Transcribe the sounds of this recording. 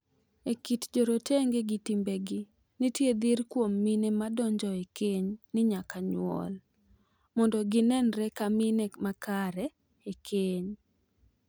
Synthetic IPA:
ekitd͡ʒɔɾoteŋɡeɡɪtimbeɡɪ | nitjed̪irkwomːinemadɔɲd͡ʒɔekeɲnɪɲakaɲw̰ɔ̰l | mɔndɔɡɪnɛnɾɛkaminemakaɾɛ | ekʰeɲ

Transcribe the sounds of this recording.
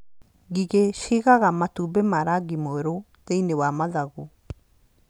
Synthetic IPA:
ɡiɡesiɡaɡamat̪ubemaɾaɡimoeɾo | dejnewamazaɡu

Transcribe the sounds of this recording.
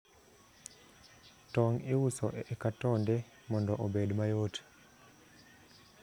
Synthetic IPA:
tɔŋiwusɔ̰ʔɛkatɔndɛ | mɔndɔʔobedmajot

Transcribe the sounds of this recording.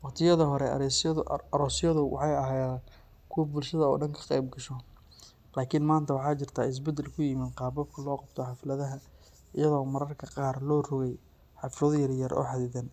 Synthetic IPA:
wɑqt̪ʰɪjɐðɐɦɔɾɛ̰sɾɔːsjɐðʊwʔɑ̰ħɑjɐɦɛjan | kʰʊwɐbʊlʃɐðɐɔ̰ːɖɐŋkʰɐ̥qɛjb̚ɡɐʃɔ | laːkʰɪnmaːnt̪ʰɐwɑħɑːt͡ʃɪrt̪ʰaːɪs̬bɛd̪ɛlkʰʊjɪmiːnqɑːbɐb̚kʰɐlɔːqɑbt̪ʰɔħɑflɐðɐɦɐ | ɪjɐðɔːmɐɾɐrkʰɐqɑːrlɔːrɔɣɛj | ħɑflɔðjɐrjɐɾʔɔ̰ːħɑðɪðɐn

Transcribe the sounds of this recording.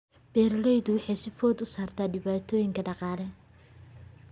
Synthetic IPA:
b̥ɛːɾlɛjðʊwɑħɑjsɪfɔːd̪ʊsaːrt̪ʰaːɖɪβaːt̪ʰɔːjɪŋkʰɐɖɑqɑːlɛ

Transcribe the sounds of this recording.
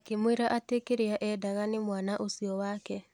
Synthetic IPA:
akemweɾaʔatekeɾeaʔɛdaɣanɪmwanaʔosiɔwaːkɛ

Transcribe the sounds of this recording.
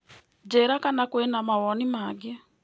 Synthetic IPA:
d͡ʒɛɾakanakwɛnamawɔnimaɡɛ

